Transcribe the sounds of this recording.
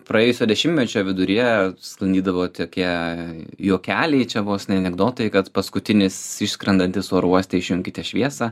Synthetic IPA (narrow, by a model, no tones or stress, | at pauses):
pɾɐeːjʊsʲoːd̪ʲɛʃʲɪmʲmʲɛt͡ʃʲoːʋʲɪd̪ʊɾʲiɛsklˠɐnd̪ʲiːd̪ɐʋoːt̪ʲokʲiɛ | joːkʲæːlʲɛɪt͡ʃʲɛbuosʲnʲɛɐnʲɛɡd̪oːt̪ojɪkɐt̪pɐskʊt̪ʲɪnʲɪsɪʃsʲkɾʲɐnd̪ɐnʲt̪ʲɪsoːɾuɔsʲt̪ʲɛɪʃʲjʊŋʲkʲɪt̪ʲɛʃʲʋʲiɛsɑ